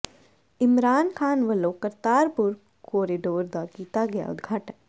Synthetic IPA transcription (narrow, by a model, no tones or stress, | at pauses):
ɪmɾaːnkʰaːnʋɐloːkɐɾt̪aːɾpʊɾ | koːɾiɖoːɾd̪aːkiːt̪aɡɐja̰ʊ̰d̪ɡʱaːʈən